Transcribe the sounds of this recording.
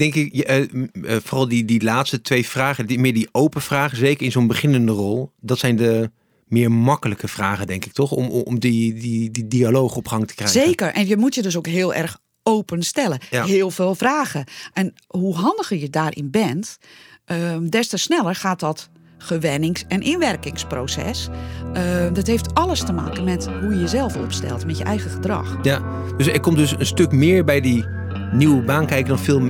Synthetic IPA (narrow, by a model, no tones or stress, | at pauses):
d̥ɛŋkɪk | fɔːrɑlˠdidilaːtstətʋejfraːχəmɪdiʔowpənv̥raːχəzejkərɪnzonbəχɪnəndərɔlˠdɑtsɛjndə | mɪːɹmɑkələkəfraːɣədɛŋkɪk̚tɔχm̰mdidididialowχɔpχɑŋtə̥krɛzekərʔɛnjəmutjədøs̬okɦɪːlˠʔɛ̰rx | owpənstɛlˠəɦɪəlˠfeːlˠfraːɣəʔɛnɦuɦɑndəɣəjədaːrʔɪ̰nbɛntʔədɛstəsnɛlˠərxaːt̚dɔt | χəʋɛnɪŋsɛnʔinʋɛrkɪŋsproːsɛ̰sədɔtɦejftɑlˠəstəma̰ːkənmɛtɦujəjəzɛlˠfɔ̰pstɛ̰lˠtmɛtjəʔɛjɣəxədrɑ̰x | døsɛkɔmdøsənstøkmɪːɹbɛjdi | niwəbaːnkɛjkədɔnfɪːlˠ